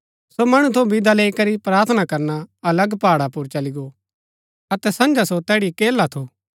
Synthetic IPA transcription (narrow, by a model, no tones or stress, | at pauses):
somɐɽ̃ut̪ʰobɪd̪ʱaleːikɐɾipɾaːɾt̪ʰənakɐɾnaɐləɡpaːɽapʊɾt͡ʃɐliɡo | ɐt̪ɛsɐ̃nd͡ʒasot̪ɛːɽikeːlat̪ʰoː